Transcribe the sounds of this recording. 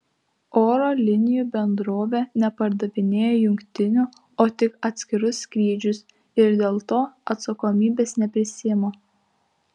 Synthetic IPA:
oːɾoːlʲɪnʲɪjuːbʲɛnd̪ɾoːʋʲeːnʲɛpɐɾd̪ɐʋʲɪnʲeːjoːjʊŋʲkt̪ʲɪnʲuː | oːt̪ʲɪkɐt̪ʲsʲkʲɪɾʊsːkɾʲiːd͡ʒʲʊs | ɪɾd̪ʲeːlˠt̪oːɐt̪sɐkoːmʲiːbʲeːsnʲɛpʲɾʲɪsʲɪmoː

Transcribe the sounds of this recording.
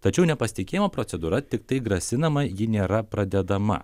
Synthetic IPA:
t̪ɐt͡ʃʲɛʊnʲɛpɐsʲɪt̪ʲɪkʲeːjimoːpɾot̪sʲɛd̪uːɾɐt̪ʲɪkt̪ɐɪɡɾɐsʲɪnɐmɐjɪnʲeːɾɐpɾɐd̪ʲɛd̪ɐmɐ̰

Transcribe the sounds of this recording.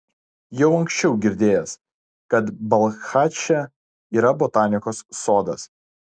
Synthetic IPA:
jɛʊɐŋʲkʲsʲt͡ʃʲɛʊɡʲɪɾʲd̪ʲeːjɛs | kɐt̪bɐlˠxaːt͡ʃʲɛ | iːɾɐbot̪ɑːnʲɪkoːsːoːd̪ɐ̰s

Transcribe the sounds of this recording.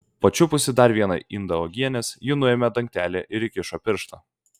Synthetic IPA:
pɐt͡ʃʲʊpʊsʲɪd̪ɐɾʲʋʲiɛnɐʔɪnd̪ɐɔɡʲiɛnʲɛsjɪnʊɛːmʲɛd̪ɐŋʲk̚ʲt̪ʲæːlʲeʔɪɾɪkʲɪʃoːpʲɪɾʃt̪ɐ

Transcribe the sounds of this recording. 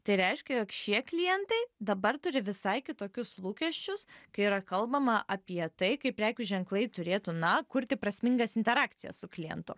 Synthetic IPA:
t̪ɐɪɾʲɛɪʃʲkʲɛjoːkʃʲiɛklʲɪjɛnt̪ɐɪd̪ɐbɐrt̪ʊɾʲɪʋʲɪsɐɪkʲɪt̪oːkʲʊslˠuːkʲɛʃʲt͡ʃʲʊskɐɪiːɾɐkɐlˠbɐmɐʔɐpʲiɛt̪ɐɪkɐɪpʲɾʲæːkʲʊʒʲɛŋklˠɐɪt̪ʊɾʲeːt̪ʊnɐkʊɾʲt̪ʲɪpɾɐsʲmʲɪŋɡɐsɪnʲt̪ʲɛɾaːkt̪sʲɪjɛ̰ssʊklʲɪjɛ̰nt̪ʊ

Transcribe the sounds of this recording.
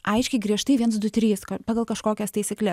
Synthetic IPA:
ɐɪʃʲkʲɛɪɡɾʲiɛʃt̪ɐɪʋʲiɛns̬d̪ʊt̪ʲɾʲiːskɐpɑːɡɐlˠkɐʃkoːkʲɛst̪ɐɪsʲɪklʲɛ

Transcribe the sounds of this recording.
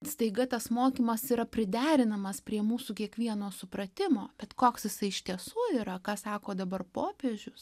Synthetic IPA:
st̪ɐɪɡɐt̪ɐsmoːkʲiːmɐsiːɾɐpʲɾʲɪd̪ʲæːɾʲɪnɐmɐspʲɾʲiɛmuːsuːkʲiɛkʋʲiɛnoːsʊpɾɐt̪ʲɪmoːb̥ʲɛt̪koːksjɪsɐɪʃʲt̪ʲiɛsuːiːɾɐkɑːsɑːkoːd̪ɐbɐrpoːpʲeːʒʲʊs

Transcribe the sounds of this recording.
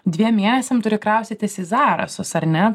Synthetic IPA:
d̪ʲʋʲiɛmʲmʲeɛnʲɛsʲɛmt̪ʊɾʲɪkɾɐʊst̪ʲiːt̪ʲɪsɪzɑːɾɐ̰sʊsɐɾnʲɛ

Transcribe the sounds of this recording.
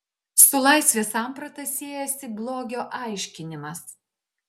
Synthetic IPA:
sʊlˠɐˑɪsʲʋʲeːsɑːˑmpɾɐt̪ɐsʲeːjɛsʲɪblˠoːɡʲoːʔɑɪʃʲkʲɪnʲɪmɐs

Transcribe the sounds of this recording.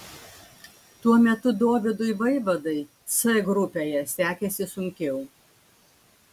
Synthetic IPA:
t̪uɔmʲɛt̪ʊd̪oːʋʲɪd̪ʊɪʋɐɪʋɐd̪ɐɪsɐɡɾʊpʲeːjɛsʲæːkʲɛsʲɪsʊŋʲkʲɛʊ

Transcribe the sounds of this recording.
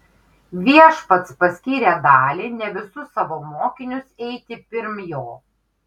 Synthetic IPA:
ʋʲiɛʃpɐt̪spɐsʲkʲiːɾʲeːd̪ɑːlʲiːnʲɛʋʲɪsʊsːɑʋoːmoːkʲɪnʲʊsɛɪt̪ʲɪpʲɪɾmjoː

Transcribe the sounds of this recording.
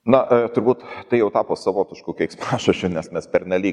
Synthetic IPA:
nɐt̪ʊɾbuːt̪t̪ɐɪjɛʊt̪ɑːpoːsɐʋoːt̪ʲɪʃkuːkʲɪkspɑːʃɐt͡ʃʲʊːnʲɛsmʲɛspʲɛrnʲɛlʲiːk

